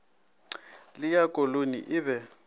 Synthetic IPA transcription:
lɪjakʼolonḭʔɪβɛ

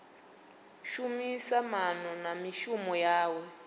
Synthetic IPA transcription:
ʃumisamanɔnamiʃumɔjaːwɛ

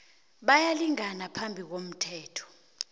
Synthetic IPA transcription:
ɓajaliŋanapʰambʱik̬om̩tʰɛːtʰɔ̥

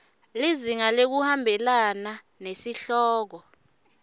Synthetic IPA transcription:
liziŋalek̬uhambʱɛlana | nesiɬɔːk̬ɔ

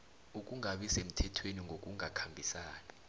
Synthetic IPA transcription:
uk̬ʼuŋaɓisem̩tʰɛtʰweniŋʱok̬ʼuŋakʰambʱisaːni

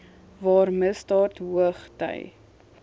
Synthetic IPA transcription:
vɑːrməstɑːtɦuəχtə̰j

